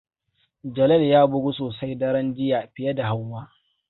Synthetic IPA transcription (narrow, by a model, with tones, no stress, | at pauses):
d͡ʒɐ˨lɐ˦ljaː˦bʊ˦ɡʷu˦soː˨sa˦jdɐ˦ɾɐ˦nd͡ʒɪ˦jaː˨ɸɪ˨jɐ˦da˨ha˦wwaː˦